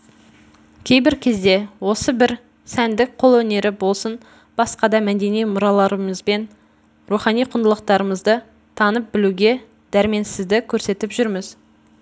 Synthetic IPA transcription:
kʲʰe̞jbɪɾkʲʰe̞zd̪e̞wo̞səbɪɾ | sænd̪ɪk̚qʰo̞lˠwɵne̞ɾɪbo̞lˠsən | b̥ɑsqɑd̪ɑmæd̪e̞nijmʊɾɑlˠɑɾəməzbe̞n | ɾuχɑnijqʰʊnəlˠəqt̪ɑɾəməzd̪ə | t̪ʰɑnəp̚bɪluɡʲe̞ | d̪̥æɾɪme̞nsɪzd̪ɪkʲʰɵɾse̞t̪ɪpʒʏɾmɪz̥

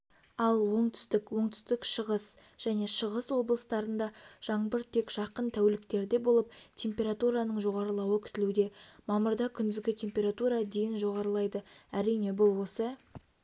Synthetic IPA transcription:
ɑlˠwo̞ɴt̪ʰʏ̥st̪ɪkwo̞ɴt̪ʰʏ̥st̪ɪkʃəʁəs | ʒ̥æne̞ʃəʁəswo̞blˠəst̪ɑɾənd̪ɑʒ̥ɑɴbəɾt̪ʰe̞kʒ̥ɑqənt̪ʰæwlɪkt̪e̞ɾd̪e̞bo̞lˠəp̚t̪ʲʰe̞mpʲe̞ɾat̪uɾɑnəɴʒo̞ʁɑɾəlˠɑwəkʲʰʏ̥t̪ɪlud̪e̞mɑməɾd̪ɑkʲʰʏnd̪ɪzɡʲɪt̪ʲʰe̞mpʲe̞ɾat̪uɾɑd̪ejɪnʒo̞ʁɑɾəlˠɑjd̪əæɾijne̞bʊlˠwo̞sə

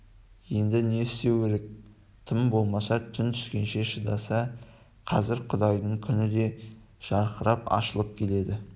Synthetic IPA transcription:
je̞nd̪ɪne̞st̪e̞weɾek̚ | t̪ʰɪmbo̞lˠmɑsɑt̪ʰʏnt̪ʰʏ̥skʲe̞nʃe̞ʃəd̪ɑsɑ | qʰɑzɪɾqʰʊd̪ɑjd̪əɴkʲʰʏnɪd̪e̞ | ʒ̥ɑɾqʰəɾɑpɑ̰ʃəlˠəp̚kʲʰe̞le̞d̪ɪ

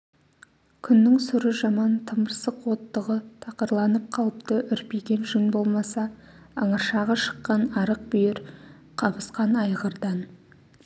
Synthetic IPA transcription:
kʲʰʏnːɪŋsʊɾəʒɑmɑnt̪ʰəməɾsəqwo̞t̪ːəʁət̪ʰɑqəɾlˠɑnəp̚qʰɑlˠəpt̪əʔʏɾpejɡʲe̞nʒʏnbo̞lˠmɑsɑ | ɑ̰ɴɑʃɑʁɑʃə̥qːɑnɑɾəq̚bʏjɪɾ | qʰɑbəsqɑnɑjʁəɾd̪ɑn

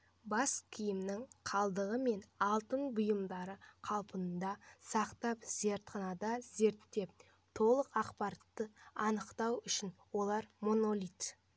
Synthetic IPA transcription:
bɑskʲʰijɪmnɪŋqʰɑlˠd̪əʁəme̞nɑlˠt̪ənbʊjəmd̪ɑɾəqʰɑlˠpənnd̪ɑsɑqt̪ɑpz̥e̞ɾt̪qʰɑnɑd̪ɑze̞ɾt̪ːe̞p̚ | t̪ʰo̞lˠəqɑqpɑɾɑt̪ːəɑnəqt̪ɑwʏʃɪnwo̞lˠɑɾmo̞no̞lʲit̪

